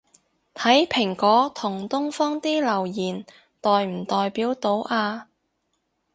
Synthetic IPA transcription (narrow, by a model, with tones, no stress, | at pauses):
t̪ʰɐ˨˥jpʰɪ˨˩ŋkɔː˨˥t̪ʰʊ˨˩ŋt̪ʊ˥ŋfɔː˥ŋt̪iː˥lɐ˨˩wjiː˨˩n | t̪ɔː˨jm̩˨˩t̪ɔː˨jpiː˨˥wt̪o˨˥wʔaː˧